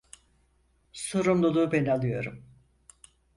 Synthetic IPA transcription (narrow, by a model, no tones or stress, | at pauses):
so̞ɾumlˠulˠuːbenalˠɯjo̞ɾum